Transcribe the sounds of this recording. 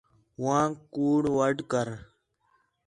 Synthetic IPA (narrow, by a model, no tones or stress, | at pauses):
wãːkuːɽwəɖkəɾ